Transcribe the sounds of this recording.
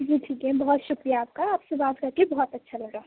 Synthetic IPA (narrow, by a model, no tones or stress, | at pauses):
d͡ʒiʈʰiːkɦɛbɔɦɔt̪ʃʊkɾijaaːp̚kaːpsẽbaskəɾkebɔɦɔt̪ətːʃʰaləɽaɦ